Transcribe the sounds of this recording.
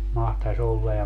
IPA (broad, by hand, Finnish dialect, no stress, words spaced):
mɑhtɑs olːɑ jɑ